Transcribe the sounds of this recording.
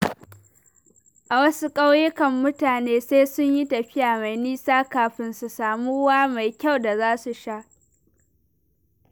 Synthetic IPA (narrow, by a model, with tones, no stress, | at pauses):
ʔa˨wɐ˦su˦kʼa˦wjɪ˦kɐ˨mːʊ˦taː˨neː˦sa˦sʊ˦ɲji˦tɐ˨ɸɪ˦jaː˨ma˨jniː˦saː˦kaː˨ɸɪ˦nsu˨saː˨muː˦waː˦ma˨jkʲa˦˨wda˨zaː˦su˨ʃa˦ʔ